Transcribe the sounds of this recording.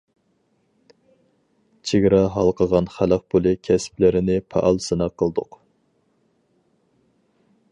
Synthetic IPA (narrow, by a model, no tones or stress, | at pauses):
t͡ʃʰeɡʲɾɑɦɑlˠqʰəʁɑnχæləq̚pʰulˠɨkʲʰɛsplɪɾɪnɪpʰɑ̰ʔɑlˠsɨnɑqʰːəlˠd̪ʊq